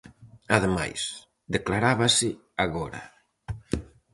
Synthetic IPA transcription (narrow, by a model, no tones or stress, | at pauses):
aðema̰js | d̪eklaɾaβasɪ | aɣɔɾa̰